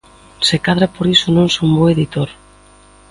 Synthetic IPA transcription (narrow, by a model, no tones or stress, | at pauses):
sekaðɾapoɾisʊnõŋsomboeðit̪oɾ